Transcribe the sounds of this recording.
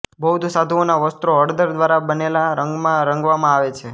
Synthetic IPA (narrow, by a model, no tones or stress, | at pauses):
bəɦud̪sad̪ʱuonaʋəst̪ɾoəɾd̪əɾd̪ʋaɾabənelaɾəŋɡmãɾəŋɡʋamãaʋet͡ʃʰe